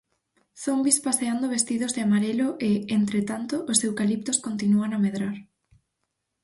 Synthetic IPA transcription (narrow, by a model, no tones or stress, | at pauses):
θombispaseand̪oβ̞est̪iðozðeamaɾelʊʔeent̪ɾet̪ant̪oʔːssewkalip̚t̪oskont̪inuaŋameðɾaɾ